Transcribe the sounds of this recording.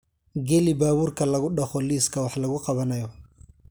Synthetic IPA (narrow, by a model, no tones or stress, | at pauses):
ɡɛlɪbaːβuːrkʰɐlɐɣʊɖɐχɔliːskʰɐwɑħlɐɣʊqɑβɐnɐjɔ